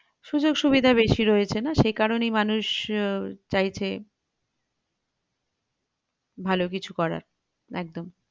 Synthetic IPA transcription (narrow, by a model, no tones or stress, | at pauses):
ʃud͡ʑoɡʃuβid̪ʱaβeʃiɾoet͡ɕʰenaʃejkaɾonejmanuʃ | t͡ɕajt͡ɕʰe | bʱalok̬it͡ɕʰukɔɾa̰ɾ | ɛ̰k̚d̪om